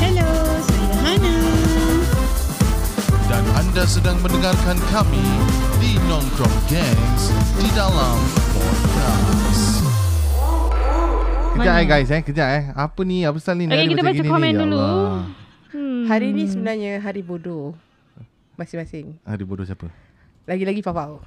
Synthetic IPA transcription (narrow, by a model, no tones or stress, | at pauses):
hɛlosɦana | danandasədaŋməndəŋarkankami | dinɔ̃ŋdɾɔmɡɛŋsdidalampɔɡas | kəd͡ʒaʔɛɡajs̬ɛkəd͡ʒaʔɛapəniap̬əst̪alinaɾkiat̪əabaɡinikɔmɛ̃ndulu | haɾiːnisəbənarɲaɦaɾibodo | masɪŋmasɪŋha̰ɾibodosiapə | laɡilaɡipapaw